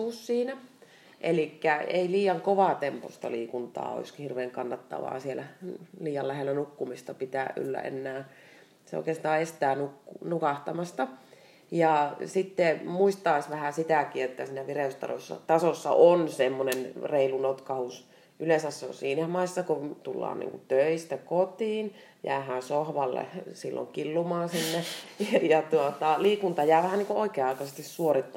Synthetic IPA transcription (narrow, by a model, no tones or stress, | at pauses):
uːssiːnæ | ʔelikːæḛiliːjɑŋkoʋɑˑt̪empo̰st̪ɑ̰liːkunt̪ɑ̰ːo̰iskhirʋeːŋkɑnːɑt̪ːɑ̰ʋɑ̰ːsielæliːjɑllæhelːˑænukːumist̪ɑpit̪æːʔʔy̰lːæ̰ʔḛnːæː | seo̰ikeːst̪ɑːest̪æːnukːunukɑht̪ɑmɑst̪ɑ | jɑsit̪ːemuist̪ɑisʋæhæsit̪ækiet̪ːæsiːnæʋireˑyst̪ɑ̰ro̰sːɑ̰t̪ɑsosːɑ̰ʔonsemːonenreilunot̪kɑhus | ʔylesæsːo̰siːnæmɑisːɑkot̪ulːɑ̰ːnḭːŋkut̪øist̪ækot̪iːn | jæ̰ːhæːnsohʋɑlːḛsilːo̰ŋkilːumɑːnsinːejɑt̪uot̪ɑliːkunt̪ɑjæːʋæhænniŋkuʔoikeːɑikɑsest̪issuorit̪ːɑ